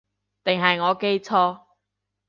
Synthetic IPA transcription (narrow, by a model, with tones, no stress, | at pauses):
t̪ɪ˨ŋɦɐ˨jŋɔː˨˧ke˥jt͡sʰɔː˥